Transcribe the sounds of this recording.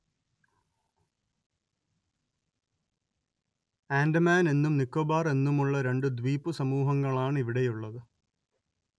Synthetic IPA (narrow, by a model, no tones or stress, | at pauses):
aːndɐmaːne̞nːumnikːoːbaːre̞nːumuɭːɐɾe̞ɳɖɨd̪ʋiːpːɨsɐmuːɦɐŋːɐɭaːɳiʋiɽe̞juɭːɐðɨ